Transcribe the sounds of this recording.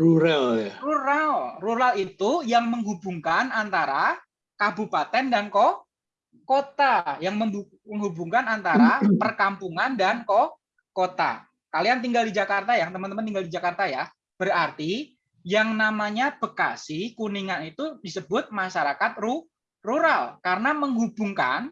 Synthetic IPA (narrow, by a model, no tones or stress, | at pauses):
ruɾalaruɾalruɾalit̪ujaŋməŋɦubuŋkanant̪aɾa | kabupat̪ɛndanko | kot̪ajaŋməŋu | məŋɦubuŋkanant̪aɾapərkampuŋandanko | kot̪a̰ | kaliant̪iŋɡaldid͡ʒakart̪ajaŋt̪əmant̪əmant̪iŋɡaldid͡ʒakart̪aja | b̥ərart̪i | jaŋnamaɲab̥əka̰sikuniŋanit̪udisəbʊt̪̚maʃaɾakat̪̚ru | ruɾalkaɾənaməŋɦubuŋka̰n